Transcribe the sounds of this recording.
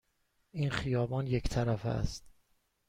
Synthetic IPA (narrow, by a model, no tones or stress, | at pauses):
ʔiːnxijɒːbɒːnjecʰt̪ʰæɾæfæ̰st̪